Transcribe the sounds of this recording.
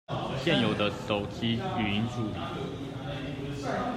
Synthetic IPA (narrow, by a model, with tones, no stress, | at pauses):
ɕjɛ˥˩njo˨˩ʊd̪ə˦t̪o˨˩ʊt͡ɕi˥y˨˩i˧˥ŋt͡su˥˧li˨˩˦